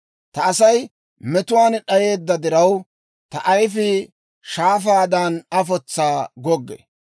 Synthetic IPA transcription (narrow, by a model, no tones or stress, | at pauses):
t̪ɐɐsɐj | mɛt̪ʊwaːnɗɐje̞ːd̪ːɐd̪ɪɾɐw | t̪ɐʔɐjfɪ | ʃaːfaːd̪anɐfɔt͡sːaːɡɔɡːɛ̰